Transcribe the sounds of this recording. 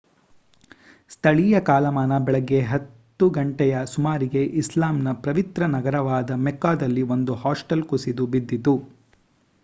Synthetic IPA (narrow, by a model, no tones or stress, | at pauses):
st̪ʰɐɭijɐkaːlɐmaːnɐbɛɭɐɡːe̞ɦɐt̪ːuɡɐɳʈɛjɐsumaːɾiɡe̞ʔislaːmnɐpɾɐʋit̪ɾɐnɐɡɐɾɐʋaːd̪ɐmɛkːaːd̪ɐlːio̞nd̪uhaːsʈɐlkusid̪ubid̪ːit̪u